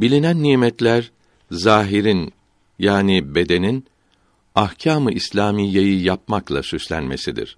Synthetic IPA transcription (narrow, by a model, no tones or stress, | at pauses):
bilʲinænːiːmɛt̪lʲæɾ | zaːɦiɾin | jaːnibe̞d̪e̞nin | ahcʰaːmɯʔislʲaːmijːejijap̚maklˠa̰syslʲæ̰nme̞̰sid̪ḭɾ̥